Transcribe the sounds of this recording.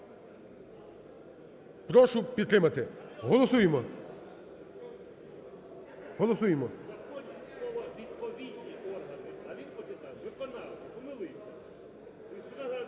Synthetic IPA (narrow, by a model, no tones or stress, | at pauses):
pɾɔʃʊpʲid̪t̪ɾɪmɐt̪ɪɦɔlˠɔsujemɔ | ɦɔlˠɔsujemɔzɐkɔdʲislˠɔʋɐʋʲid̪pɔʋʲidʲnʲiɔɐɪɐʋʲid̪pɔt͡ʃɪt̪aʋɪkɔnalˠ | ɔmɪlˠɪjsʲɐ